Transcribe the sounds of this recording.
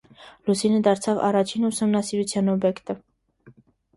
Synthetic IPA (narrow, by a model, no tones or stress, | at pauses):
lusinəd̪ɑɾt͡sʰɑvɑ̰rɑt͡ʃʰinusumnɑsiɾut͡sʰjɑnɔbjɛkt̪ə